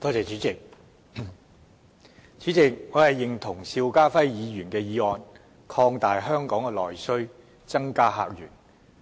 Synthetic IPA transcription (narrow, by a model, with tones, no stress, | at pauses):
t̪ɔː˥t͡sɛː˨t͡ʃyː˨˥t͡sɪ˨k̚ | t͡syː˨˥t͡sɪ˨k̚ŋɔː˨˧hɐ˨jːɪ˨ŋt̪ʰʊ˨˩ŋsiː˧wkaː˥fɐ˥jjiː˨˧jyː˨˩nkɛː˧jiː˨˧ɔː˨˧n | kʰɔː˧ŋt̪aː˨jɦœː˥ŋkɔː˨˥ŋɛ˧lɔː˨˩jsɵ˥ɥ | t͡sɐ˥ŋkaː˥ɦa̰ː˧k̚jyː˨˩n